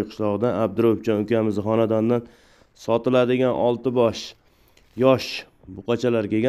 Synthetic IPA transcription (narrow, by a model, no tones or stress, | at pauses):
jqʰʊ̥ʃlˠɒʁɨd̪aab̚d̪ɪɾoft͡ʃʰɒnʊkʲamɪzχɒnad̪and̪an | sɒt̪ɪlad̪ɪɡʲanʔɒlˠt̪ɪbɒʃ | jɒʃ | bʊqʰɑt͡ʃʰalaɾkʲeɡʲa